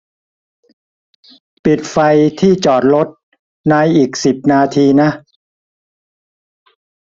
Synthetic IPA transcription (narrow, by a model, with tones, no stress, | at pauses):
pi˨˩t̪̚fa˧jt̪ʰiː˥˩t͡ɕɔː˨˩t̪̚lo˦˥t̪̚ | naː˦˥jʔiː˨˩k̚si˨˩p̚naː˧t̪ʰiː˧na˦˥ʔ